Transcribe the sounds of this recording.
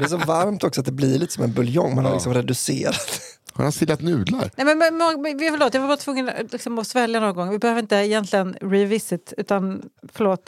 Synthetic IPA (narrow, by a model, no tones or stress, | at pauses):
d̪ɛs̬ɔvaɾmt̪ɔksɔat̪̚d̪ɛblɪɭiːt̪ə̥sɔmɛnbɵljɔŋːmanhaɾlɪksɔmɾɛd̪ɵseːɾat̪ | hʊ̰nhasɪlːat̪nʉːd̪la̰ɾnɛmɛnmɛmɔvfœɭoːt̪jɑvaɾbɑːɾat̪ʰvɵŋːənlɪksɔmɔsvɛljanɔnɡɔŋːvɪbɛhøːvɾɪnt̪əɛjɛnt̪lɪɡənɾɪvɪsɪt̪ʉ̟ːt̪anfœɭoːt̪